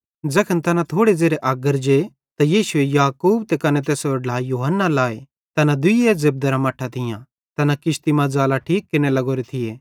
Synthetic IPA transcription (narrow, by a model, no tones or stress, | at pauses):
d͡zɐkʰənt̪ɐnãt̪ʰoːɽed͡zeːɾeʔaːɡəɾd͡ʒe | t̪ajiːʃʊejaːkuːbt̪ekɐnet̪̬eːsoɖlaːjuːɦənːalaːe | t̪ɐnad̪ʊjezɪb̚d̪ɐɾamɐʈʰːat̪ʰɪjã̰ | t̪ɐnakɪʃt̪imãd͡zaːlaʈʰiːkːɪnelɐɡoːɾet̪ʰɪjeː